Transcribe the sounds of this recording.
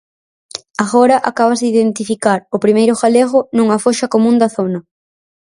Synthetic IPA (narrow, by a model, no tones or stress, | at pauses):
aɣoɾɐʔakaβ̞ɐzðɪiðent̪ifikaɾʊpɾimejɾʊɣaleɣʊnuŋɐfoʃɐkomũnd̪ɐθonɐ